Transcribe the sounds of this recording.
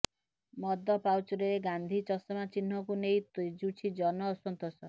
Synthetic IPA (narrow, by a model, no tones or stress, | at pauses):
mɔd̪ɔpawt͡ʃɔɾeeɡand̪ʱit͡ʃɔsɔmat͡ʃin̤ɦɔkunejt̪od͡ʒut͡ʃʰid͡ʒɔnɔːsɔnt̪ɔsɔ